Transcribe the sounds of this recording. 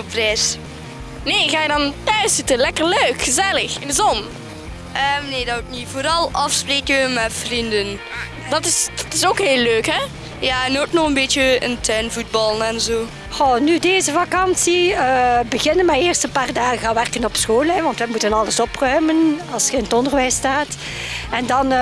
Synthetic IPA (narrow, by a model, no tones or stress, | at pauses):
prɛːs | neːɣaːjədɑntœɥsɪtəlɛkərløːkxəzɛləxɪndəzɔn | ʔəːmneːdɑutnivoːɾɑlˠɑfspreːkəəmɛtfrindən | dɑtɪsd̥ɑtɪsoːkɦeːlːøːkɦɛ | jaːnoːtnɔχənbeːtjəəntʰɛnvud̚bɑlˠənɛnzoː | xoːnydeːzəvakɑnsiəːbəɣɪnənmajɪːrstənpaːrdaːɣəɣaʋɛrkənɔpsxoːlɛʋɑntʋəmutənɑləsɔprœɥmənɑlˠsxəɪnətɔndərʋɛjstaːt | ɛndɑn